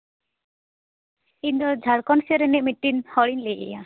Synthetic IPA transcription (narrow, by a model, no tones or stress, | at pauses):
ind̪ɔd͡ʒʱaɽkɔnsɔɾenemiʈːinhɔɽinleʔḛja